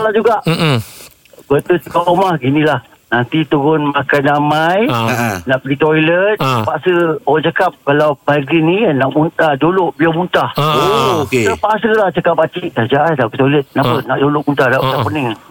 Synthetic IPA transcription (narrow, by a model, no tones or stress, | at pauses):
alad͡ʒuɡaʔ | bət̪ut͡ʃəkapomahɡinĩlah | nant̪it̪uɣʊnmakanamajnaʔpɡit̪ojlət̪̚pasəoaŋt͡ʃakap̚kalawbaɡinĩnaʔmunt̪adoloʔbiamunt̪ahokeəpasəlaht͡ʃəkap̚ːat͡ʃiʔt̪ad͡ʒaʔandait̪ojlət̪̚napənaʔdolʊʔmunt̪ahdadapunɪŋ